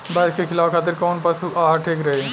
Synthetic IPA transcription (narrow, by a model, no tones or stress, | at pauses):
bɐskekʰɪlaːfkʰaːt̪̬ɪɾkɔːnpɐsuaːʈʰeːkɾɐɦeɦɛ̃ː